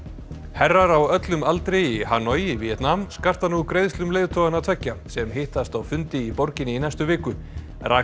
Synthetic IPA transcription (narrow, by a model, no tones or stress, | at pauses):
hɛrːaɾawœt̪lʏmalt̪ɾejihaːnɔjivijɛt̪namskar̥t̪hanːukɾejðslʏmleːjðt̪ʰɔːɣanat̪ʰvɛcːasɛmhɪht̪ast̪awfʏnt̪ɪipɔɾcɪnːɪinajst̪ʏvɪːkʏ | rʔa̰ː